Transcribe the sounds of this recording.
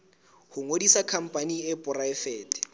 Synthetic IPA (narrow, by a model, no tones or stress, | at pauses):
hʊŋodisakʰam̩pʼaniɛpʼʊraɛfɛːtʼɛ̥